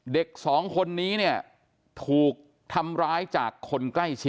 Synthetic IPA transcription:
de˨˩k̚sɔː˩˦ŋkʰo˧nːiː˦˥ni˥˩ɐ | t̪ʰuː˨˩k̚ | t̪ʰa˧mɾaː˦˥jt͡ɕaː˨˩kʰːo˧nkla˥˩jt͡ɕʰi˦˥

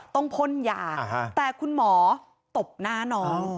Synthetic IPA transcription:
t̪ɔ˥˩ŋpʰo˥˨njaː˨˩t̪ɛː˨˩kʰu˧nmɔː˩˦ | t̪o˨˩p̚naː˥˩nɔː˧˥˩n

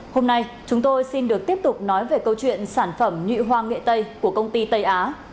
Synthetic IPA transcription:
ho˧mna˧j | t͡ɕʊ˨˦ŋ͡mt̪o˧jsi˧nɗɨ˨˩ək̚t̪i˦˥əp̚t̪ʊ˨˩k͡p̚nɔ˨˦jve˨˩kə˧wt͡ɕwḭ˧˨ənsaː˧˩nfə˧˩mɲwḭ˧˨ɦwaː˧ŋḛ˧˨t̪ə˧jku˧˩əkə˧wŋ͡mt̪i˧t̪ə˧jʔaː˨˦

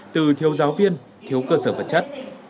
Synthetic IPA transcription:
t̪ɨ˨˩t̪ʰi˨˦əwzaː˨˦wvi˧ən | t̪ʰi˨˦əwkəː˧səː˧˩və˨˩t̚t͡ɕa˦˥t̚

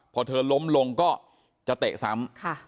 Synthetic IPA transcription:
pʰɔː˧t̪ʰɤː˧lo˦˥mlo˧ŋkɔː˥˩ | t͡ɕa˨˩t̪eː˨˩k̚sa˦˥mkʰa˥˩

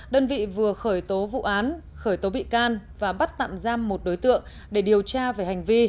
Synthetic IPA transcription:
ɗəː˧nvḭ˧˨vɨ˨˩əxəː˧˩jt̪o˨˦vṵ˧˨ʔaː˨˦n | xəː˧˩jt̪o˨˦ɓḭ˧˨kaː˧nvaː˨˩ɓa˦˥t̚t̪a̰ː˧˨mzaː˧mːo˨˩t̚ɗo˨˦jt̪ɨ̰˧˨əŋ | ɗe˧˩ɗi˨˩əwt͡ɕaː˧ve˨˩ha˨˩jŋ̟vi˧

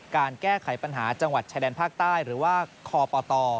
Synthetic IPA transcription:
kaː˧nkɛː˥˩kʰa˩˦jpa˧nɦaː˩˦t͡ɕa˧ŋwa˨˩t̪̚t͡ɕʰaː˧dɛː˧npʰaː˥˩k̚t̪aː˥˩jɾɯː˩˦waː˥˩kʰɔː˧pɔː˧t̪ɔː˧

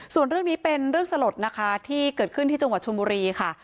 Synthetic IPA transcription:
su˨˩ənɾɯ˥˩əŋniː˦˥pe˧nɾɯ˥˩əŋsa˧lo˨˩t̪̚na˦˥kʰa˦˥t̪ʰiː˥˩kɤː˨˩t̪̚kʰɯ˥˩nt̪ʰiː˥˩t͡ɕa˧ŋwa˨˩t͡ɕʰu˧mbuː˧ɾiː˧kʰa˥˩

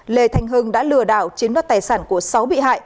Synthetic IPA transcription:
le˨˩t̪ʰa˨˩jŋ̟ɦɨ˨˧˩ŋɗa̰ː˧˥lɨ˨˧˩əɗa̰ː˧˩wt͡ɕi˨˦nwa˦˥t̚t̪aː˨˩jsaː˧˩nku˧˩əsa˨˦wɓḭ˧˨ha̰ː˧˨j

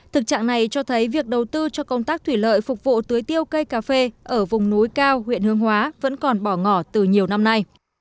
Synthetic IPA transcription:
t̪ʰɨ˨˩k̚t͡ɕa̰ː˧˨ŋna˨˩jt͡ɕɔ˧t̪ʰə˨˦jvi˨˩ək̚ɗə˨˩wt̪ɨ˧t͡ɕɔ˧kə˧wŋ͡mt̪aː˦˥k̚t̪ʰwi˧˩lə̰ː˧˨jfʊ˨˩k͡p̚vṵ˧˨t̪ɨ˨˦əjt̪i˧əwkə˧jkaː˧˩fe˧ʔəː˧˩vʊ˨˩ŋ͡mnu˨˦jkaː˧whḭ˧˨ənhɨ˨˧əŋhwaː˨˦və̰˧˥nkɔ˨˩nɓɔ˧˩ŋɔ˧˩t̪ɨ˨˩ɲi˨˩əwna˧mna˧j

